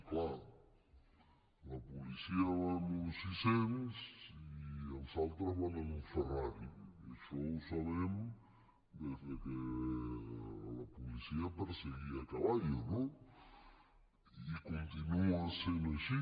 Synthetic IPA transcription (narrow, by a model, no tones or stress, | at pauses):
klaɾ | lɐpulisiɐβanusisemsiialsalt̪ɾɐzβananuferaɾikeʃowsaβem | d̪ezðeke | lɐpulisiɐpeɾseɣiat̪ɾaβajeno | ikont̪inuasend̪aʃi